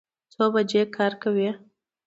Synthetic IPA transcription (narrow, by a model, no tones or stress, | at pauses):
t͡sobad͡ʒekʰɑɾkawi